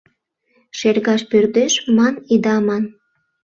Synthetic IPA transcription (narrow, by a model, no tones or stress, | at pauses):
ʃerɣɑʃpørd̪eʃmɑnid̪ɑmɑn